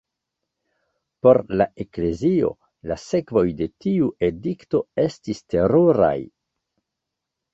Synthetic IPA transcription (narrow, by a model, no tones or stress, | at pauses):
po̞ɾlae̞kle̞zio̞̰ | lase̞kvo̞jde̞tiuʔe̞dikto̞e̞stiste̞ɾoɾa̰j